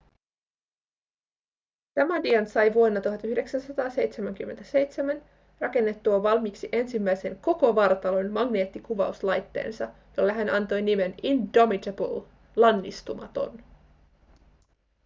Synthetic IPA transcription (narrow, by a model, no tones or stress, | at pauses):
t̪æmædiɑnsɑjʋuonːɑt̪uɦɑt̪yhde̞ksænsɑt̪ɑːse̞jt̪semæŋk̟ymːent̪æse̞jt̪semæn | rɑke̞nːe̞t̪ːuɑʋɑlmiːksiʔe̞nsimːæjse̞ŋko̞ko̞ʋɑɾɑt̪ɑlo̞nmɑɡne̞ːt̪ːikuʋɑuslɑjt̪ːe̞̰ːnsɑjolːeɦænɑnt̪o̞jnime̞nindo̞mitebə̰l | lɑnːḭst̪umɑ̰t̪o̞̰n